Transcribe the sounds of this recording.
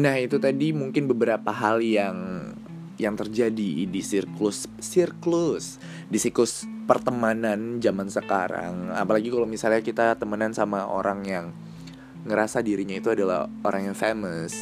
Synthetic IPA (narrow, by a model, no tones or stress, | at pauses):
nahit̪ut̪adimuŋkɪnbəbəɾapaɦaljaŋ | jaŋt̪ərd͡ʒadidisirklʊsːirklʊs | disiklʊspərt̪əmanand͡ʒamansəkaɾa̰ŋa̰palaɡikalomisalɲakit̪at̪əmanansamaʔo̰ɾaŋjaŋ | ŋəɾasadiɾiɲait̪uadala̰ho̰ɾʔaŋjaŋfeməs